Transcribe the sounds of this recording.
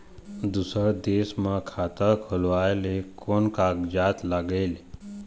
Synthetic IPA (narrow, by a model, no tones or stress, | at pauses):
d̪usəd̪esmãkʰat̪əkʰəlʋajlekonkaɡd͡ʒaːt̪laɡeːle